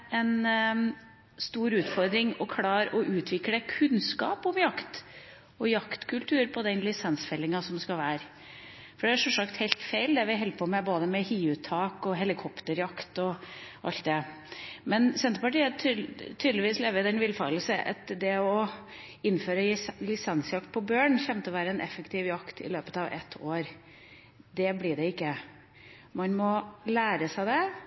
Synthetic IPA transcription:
ɛn | st̪uːɾʉːt̪fɔɾd̪ɾɪŋɔkʰɽɑːɾɔʔʉːt̪ʰʋɪkləkʰʉnskɑ̰ːpɔmjɑkt̪ | ɔjɑkt̪kʰʉlt̪ʰʉːɾpʰɔd̪ɛnlɪsɛnsfɛlːɪŋɑsɔmskɑʋæːɾ | fɔɖɛæʂɔsɑkt̪hɛɪlt̪fæɪld̪ɛʋɪɦɛlpʰɔmɛboːd̪əmɛhiːʉt̪ʰːɑːkɔɦɛlɪkʰɔpt̪əɾjɑkt̪ɔʔɑlt̪̚d̪ɛ | mɛnsɛnt̪əpɑʈiːət̪ʰyːd̪əlɪʋiːsleːʋəɾd̪ɛnʋɪlfɑ̰ːll̩səʔɑ̰t̪d̪ɛɔ | ɪnːføːɾəlɪsɑnsjɑkt̪̚pʰɔbjøːɳçɛmt̪əɔʋæːɾəɛnʔɛfəkt̪ʰɪʋjɑkt̪ʰɪ̰løːpət̪ɑʋɛ̰t̪ʰːoːɾ | d̪ɛblɪɖɛɪkːə | mɑnmɔlæːɾəsæɪd̪ɛ

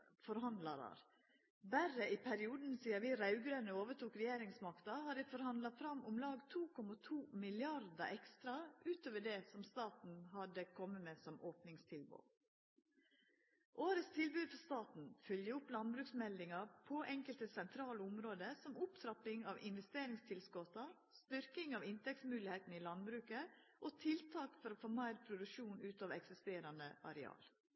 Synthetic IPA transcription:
fɔɾhɑnd̪lɑɾɑ̰ɾ | bæɾəɪpʰæɾɪuːd̪n̩siːəɾʋiːɾɑʉɡɾøːnəoːʋəʈuːkɾɛjeːɾɪŋsmɑkt̪ɑhɑɖɪfɔɾhɑnd̪lɑfɾɑmʊmlɑːɡt̪ʰuːkʰɔmɑt̪ʰuːmɪlɪɑɾd̪ɑ̰ʔɛkst̪ɾɑʔʉːt̪oːʋəɖɛːsɔmst̪ɑːt̪n̩ɦɑd̪əkʰɔmːəmeːsɔmoːpnɪŋst̪ʰɪlbṵː | ʔoːɾət̪st̪ʰɪlbʉːd̪fɔst̪ɑːt̪n̩fœljəʊplɑnbɾʉːksmɛld̪ɪŋɑɾpʰɔʔɛŋkəlt̪əsɛnt̪ʰɾɑːləʊmɾoːd̪əsɔmʊpt̪ʰɾɑpɪŋɑʋɪnʋɛst̪eːɾɪŋst̪ʰɪlsɡɔt̪ɑ | st̪ʏɾkɪŋɑʋɪnt̪ɛk̚t̪smʉːlɪheːt̪n̩ɪlɑnbɾʉːkə | ʔoːt̪ʰɪlt̪ʰɑːkfɔɾoːfoːmæɪɾpʰɾʊd̪ʉʃuːnʉːt̪ɑːʋɛksɪst̪eːɾɑnd̪əʔɑ̰ɾɛɑ̰ːl

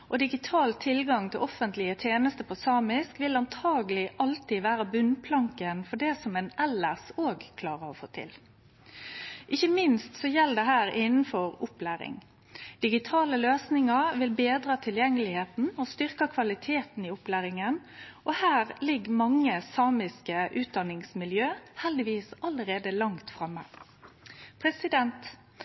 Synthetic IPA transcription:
ʔɔd̪ɪɡɪt̪ʰɑːlt̪ʰɪlɡɑŋt̪ʰɪlʔɔfənt̪lɪət̪ʰjeːnəst̪əpʰɔsɑːmɪskʋɪlɑnt̪ʰɑːɡəlɪʔɑlt̪ɪʋæːɾəbʉnpʰlɑŋkənfɔɖɛsɔmɛnʔɛlːəʁsoːɡkʰlɑːʁəɔfo̰ːt̪ʰɪ̰l | ʔɪçːəmɪnst̪sɔjɛld̪ɛɦæːɾɪnn̩fɔʁʊplæːɾɪ̰ŋ | d̪̥ɪɡɪt̪ʰɑːləløːsnɪŋɑʋɪlbeːd̪ʁɑːt̪ʰɪljɛŋːəlɪheːt̪n̩ɔst̪ʏʁkɑkʰʋɑlɪt̪ʰeːt̪n̩ɪʊplæːɾɪŋənʔɔhæːʁlɪɡːmɑŋːəsɑːmɪskəʔʉːt̪̚d̪ɑnɪŋsmɪljøːhɛld̪ɪʋiːsɑləɾeːd̪əlɑŋt̪fʁɑmːə̰ | pʰʁɛsɪd̪ɛnt̪

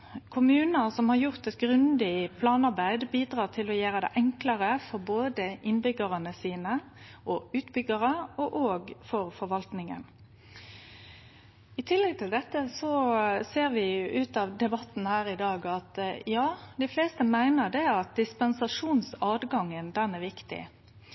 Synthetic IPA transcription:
kʰʊmʉːnəsɔmhɑʁjʊʁt̪ɛt̪̚ɡʁʉnd̪ɪpʰlɑːnɑʁbæɪd̪biːd̪ʁɑːʁt̪ʰɪlɔjæːɾəd̪ɛ̰ʔɛŋkləʁəfɔɾboːd̪əɪnbʏɡəʁənəsiːnəʔɔʉːt̪bʏɡəʁəɔʔoːɡfɔɾfɔɾʋɑlt̪nɪŋə̰n | ɪt̪ʰɪlːɛɡ̚t̪ʰɪld̪ɛt̪ːəsɔseːɾʋɪʉːt̪ɑʋd̪ɛbɑt̪ːn̩hæːʁɪd̪ɑːɡɑt̪jɑːd̪ɪfleːst̪əmæɪnəʁd̪ɛæʁɑt̪̚d̪ɪspɛnsɑʂuːnsɑːd̪ɡɑŋːənd̪ɛnæʁʋɪkt̪ɪ̰

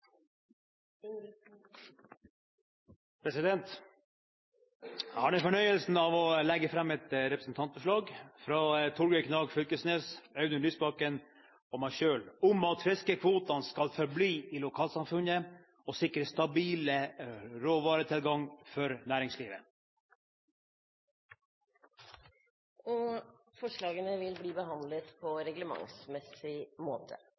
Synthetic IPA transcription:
pʰɾɛsɪd̪ɛnt̪ | hɑːɖɛfɔɳœʏəlsn̩ɑʋɔlɛɡːəfɾɑmːɛt̪ɾɛpɾəsn̩t̪ʰɑnt̪bʉʂɭɑːɡfɾɑt̪ʰʊɾɡəkʰnɑːɡfʏlkəsneːsœʉnəlyːsbɑkən | ɔmæɪʃøːlʊmɑt̪fɾɛskəkʰʋuːt̪ɑnskɑlfɔɾbliːiːlʊkʰɑːlsɑmfʉnə | ɔsɪkɾəst̪ɑbiːləɾoːʋɑːɾət̪ʰɪlɡɑŋfɔɾnæːɾɪŋsliːʋə̰ | ɔ | fɔʂɭɑːɡənəʋɪlbliːbəɦɑnd̪lət̪pʰɔɾɛɡləmɑ̰ŋsmɛsɪmoːt̪ʰə

